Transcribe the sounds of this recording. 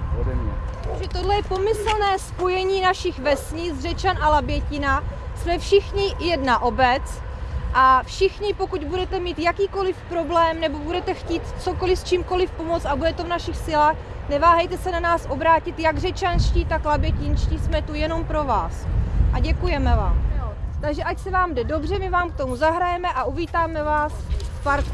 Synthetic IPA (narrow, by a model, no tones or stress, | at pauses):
ɛʒɛt̪odlɛjɛpo̞mɪsl̩nɛːspo̞jɛɲiːnaʃɪxvɛsɲɪzr̝ɛt͡ʃanʔalabjɛcɪnasmɛfʃɪxɲɪjɛdnaʔo̞bɛt͡s | ʔafʃɪxɲɪpo̞kuɟbudɛt̪ɛmiːt̪jakiːko̞lɪfpɾo̞blɛːmnɛbo̞budɛt̪ɛxciːt̪t͡soko̞lɪfst͡ʃiːmko̞lɪfpo̞mot͡sabudɛt̪o̞vnaʃɪxsɪlaːx | nɛvaːɦɛjt̪ɛsɛnanaːsʔo̞bɾaːcɪt̪jaɡr̝ɛt͡ʃanʃciːt̪aklabjɛcɪnʃciːsmɛt̪ujɛno̞mpɾo̞vaːsʔaɟɛkujɛmɛvaːmt̪aɡʒɛʔacsɛvaːmdɛdo̞br̝ɛmɪvaːmk̚t̪o̞muzaɦɾajɛmɛʔaʔuviːt̪aːmɛvaːsspaɾt̪